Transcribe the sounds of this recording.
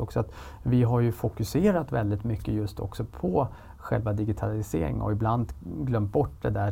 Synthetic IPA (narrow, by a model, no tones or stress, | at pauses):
ɔksɔat̪ | vɪɦaɾjɵfʊkɵseːɾat̪vɛ̰ld̪ɪt̪mʏkːəjɵst̪ʰɔ̰ksɔpʰɔ | ɧɛ̰lvad̪ɪɡɪt̪ʰalɪseːɾɪ̰ŋɔ̰ɪbland̪ɡlœmt̪̚bɔʈːd̪ɛd̪æ